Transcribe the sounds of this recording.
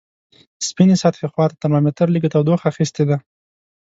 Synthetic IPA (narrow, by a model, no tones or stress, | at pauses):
spinesat̪xexwɑt̪at̪amɑmet̪əɾlik̬ət̪awd̪oxaxist̪ed̪a